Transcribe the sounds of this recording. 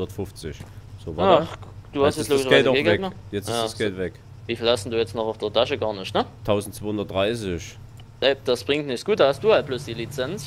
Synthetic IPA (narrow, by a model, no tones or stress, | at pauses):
ɐtfʊft͡sɪçz̥oːvad̥uːhastɛsloːɡsʃɡɛːtɡeɡɛkmijɛt͡saəsɛtvɛk | viːfilasn̩duːjɛt͡snɔχʊd̥eɐtʰaʃəɡaːɐnɪʃtnətʰaʊzn̩tt͡sːv̥oːhʊndɐt̚d̥ʁaɪs̬ɪç | nɛd̥asb̥ʁɪŋtnɪçt͡sɡ̥uːt̚d̥aːhast̚d̥uːhal̚b̥loːsd̥iːlit͡sɛns